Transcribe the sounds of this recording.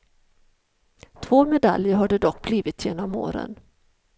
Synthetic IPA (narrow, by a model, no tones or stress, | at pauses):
t̪ʰvoːmɛd̪a̰ljəɾɦaɖɛd̪ɔkːbliːvɪt̪jeːnɔmo̰ːɾə̰n